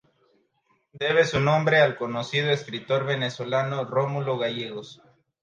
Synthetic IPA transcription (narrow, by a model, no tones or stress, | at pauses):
d̪e̞β̞e̞sunõmbɾe̞alko̞nosið̞oeskɾit̪o̞ɾβe̞ne̞so̞lanoromulo̞ɣaʝeɣos